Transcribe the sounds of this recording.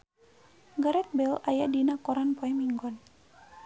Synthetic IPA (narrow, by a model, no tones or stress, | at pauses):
ɡaɾɛt̪̚bɛlajadinakɔɾanpɔɛmiŋɡɔn